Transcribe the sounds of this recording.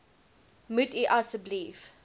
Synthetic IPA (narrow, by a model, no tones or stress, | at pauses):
mʉtiʔɐsəbliːf